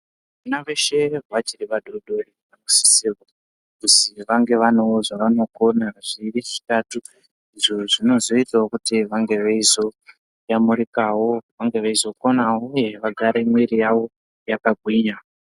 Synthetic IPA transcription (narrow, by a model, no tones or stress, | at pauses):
unaʋeʃe̞ɦwat͡ʃiriʋaɗoɗori | amusi̥siwo | kusiʋaŋɡe̞ʋanoʐaʋano̞konaʐiriʐ̥itatu | iʐo̞ʐino̞zo̞itawokutiʋaŋɡe̞ʋeizo̞ | jamurikawo̞ʋaŋɡe̞ʋaizo̞ko̞nauuje̞ʋaɡʱaɾemwiɾijawo̞ | jakaɡʱwiːɲa